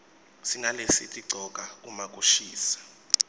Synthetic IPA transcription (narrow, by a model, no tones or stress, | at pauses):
siŋʱalesḭtʼiǀʱɔk̬ʼaumak̬ʼuʃiːsḁ